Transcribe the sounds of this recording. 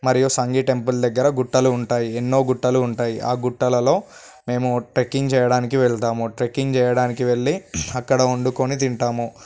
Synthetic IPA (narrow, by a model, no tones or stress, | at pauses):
mɐɾijusɐŋɡiʈe̞mpuld̪ɐɡːɐɾɐɡuʈːɐluːɳʈaːjienːo̞ːɡuʈːɐluːɳʈaːjiʔaːɡuʈːɐlɐlo̞ː | me̞ːmuʈɾekːiŋɡt͡ʃɛːjɐɽaːnik̬iʋeɭt̪aːmuʈɾekːiŋɡt͡ʃɛːjɐɽaːnikiʋe̞ɭːiɐkːɐɽɐoɳɖuko̞nit̪̬iɳʈaːmu